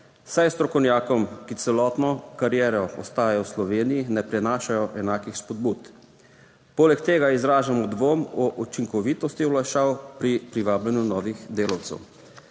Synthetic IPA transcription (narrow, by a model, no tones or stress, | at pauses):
sajst̪ɾɔkɔwnjaːkɔmkit̪sɛlɔːt̪nɔkaɾjɛːɾɔɔ̰st̪aːjajɔwslɔʋeːnijinɛpɾɛnaːʃajɔʔɛnaːkixspɔd̪̚buːt̪ | poːlɛkt̪eːɡaizɾaːʒamɔd̪ʋoːmɔʔut͡ʃiŋkɔʋiːt̪ɔst̪iwlaʃaːwpɾipɾiʋaːblanjunɔːʋixd̪eːlɔw̪sɛ̰w